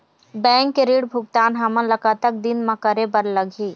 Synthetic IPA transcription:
bɛ̃ːŋkːeɾiːɽbʱʊk̚t̪aːnɦamənlɐkat̪ək̚d̪inmãkɐɾebəɾlɐɡʱiː

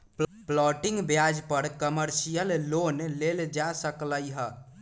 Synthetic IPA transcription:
pplɔʈĩŋɡbjad͡ʒpəɾkəməɾsijəlːonleld͡ʒasəkləjɦə

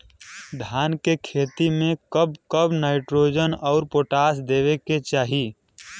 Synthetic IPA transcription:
d̪ʱaːnkekʰeːt̪imẽkəb̚kəbnaːɪʈɾoːd͡ʒənɔʊɾpoːʈaːsd̪eːʋeket͡ʃaːɦi

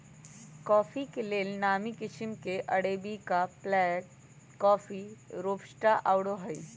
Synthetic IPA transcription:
kɔːfikeleːlnaːmikɪʃɪmkeʔɐɽeːbikaplɛːk | kːɔːfiɾoːpʃʈaʔaʊɽoɦai

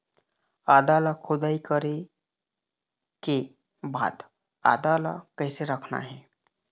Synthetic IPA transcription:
aːd̪aːləkʰʊd̪aːikəɾe | ke | ba̰ːd̪ | a̰ːd̪aːla̰kɛːseɾəkʰna̰ɦɛː

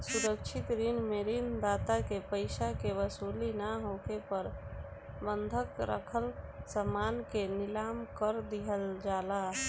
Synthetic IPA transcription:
suɾəkt͡ʃʰit̪ɾinmeɾind̪aːt̪akepəɪsakeʋəsulinaɦokepəɾ | bənd̪ʱəkɾə̰kʰəlsəmaːnkenɪlaːmkəɾd̪iɦəld͡ʒaːla

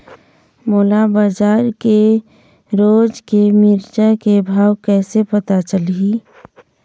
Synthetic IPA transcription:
moːlabad͡ʒaːɾke | ɾoːd͡ʒkemɪɾd͡ʒakebʱaːwkɛːsepət̪at͡ʃəli

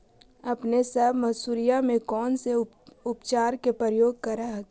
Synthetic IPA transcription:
ɐpnesɐbʱmɐsuːɾijamẽkɔːnse | ʊpt͡ʃaːɾkepɾəɾəjoːɡ̚kɐɾaɦ

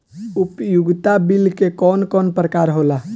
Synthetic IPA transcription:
ʊpjʊɡt̪abilkekɔːnkɔːnpɾəkaːɾɦoːla

